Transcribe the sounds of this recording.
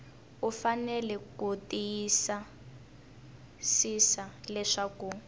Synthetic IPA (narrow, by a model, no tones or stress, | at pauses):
ufanɛlɛkutijisa | sisalɛʂaku